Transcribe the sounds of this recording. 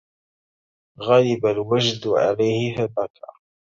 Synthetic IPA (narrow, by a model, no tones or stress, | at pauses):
ɣaːlɪbalwaʒd̪ʕa̰lajhɪhadakʰa̰